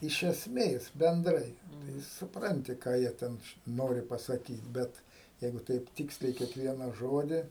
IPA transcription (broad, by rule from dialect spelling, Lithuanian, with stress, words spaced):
ɪʃ ɛsʲˈmʲeːs bʲɛnˈdrɐɪ tɐɪ sʊpˈrɐnʲtʲɪ ˈkɑː jiɛ ˈtʲɛn ˈnoːrʲɪ pɐsɐˈkʲiːt ˈbʲɛt ˈjɛɪɡʊ ˈtɐɪp ˈtʲiːksʲlʲɛɪ kʲiɛkˈʋʲiɛnɐ ˈʒoːdʲɪ